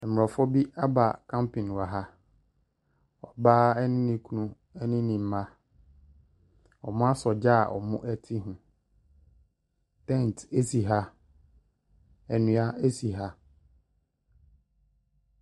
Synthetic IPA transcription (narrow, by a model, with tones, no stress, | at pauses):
ɛ˨m˨ɔ˨fɔ˦bi˦a˦ba̰˨kʰã˦mpʰĩ˨n˨wa˨ɦa˦ | ɔ˨baː˦ɛ˦nɪ̃˦nɪ̃˦kʰu˦nũ˦ | ɛ˦nɪ̃˦nĩ˨m˦mã˦ | ɔ˨mʊ̃˦a˦sɔ˨d͡ʑa̰˦˨ʔɔ̰˨mʊ̰̃˦ʔɛ˦tʰɪ˦ɦʊ̃˨ | tɛ̃˦˨n˨te˦si˨ɦa˦ | ɛ˨nʊ̃˨a˦e˦si˨ɦa˦